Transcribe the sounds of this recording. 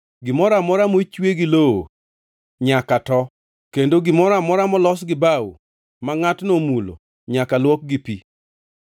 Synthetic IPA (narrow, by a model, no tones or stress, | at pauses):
ɡɪmɔɾamɔɾamot͡ʃweɡɪloo̰ | ɲakatɔ | kendoɡɪmɔɾamɔɾamɔlɔsɡɪbawṵ | maŋatnomulo̰ | ɲakalwɔk̚ɡɪpi